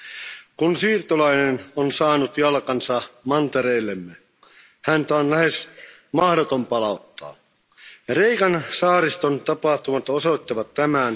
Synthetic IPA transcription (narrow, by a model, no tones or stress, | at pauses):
kunsiːrt̪olɑinenonsɑːnut̪jɑlkɑnsɑmɑnt̪eɾeilːemːe | hænt̪æonlæhes | mɑhdot̪ompɑlɑut̪ːɑ̰ː | reikɑnsɑːɾist̪ont̪ɑpɑht̪umɑt̪osoit̪ːɑʋɑt̪tæmæn